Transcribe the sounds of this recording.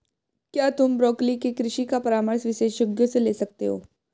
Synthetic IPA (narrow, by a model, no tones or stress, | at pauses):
kjat̪uːmbɾɔklikekɾɪɕikapəɾaməɾsʋiʃeɕjoɡjot͡selesək̚t̪ḛɦo̰